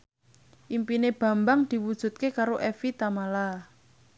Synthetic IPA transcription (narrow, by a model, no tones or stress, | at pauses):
ʔimpineb̥ä̤mbaŋd̪̥i̤wud̥ʒ̥ṳt̪̚kekaɾoʔɛfit̪amala